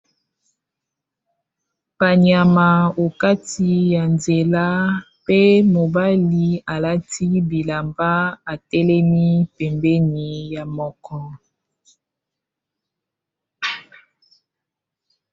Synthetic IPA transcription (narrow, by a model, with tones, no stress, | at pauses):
pa˨ɲja˨ma˨o˨ka˦ti˨ja˨nze˨la˦ | pe˦mo˨ba˦li˨a˨la˦ti˦bi˨la˨mba˦a˨tɛ˦lɛ˦mi˦pɛ˨mbɛ˦ni˨ja˨mɔ˦kɔ˦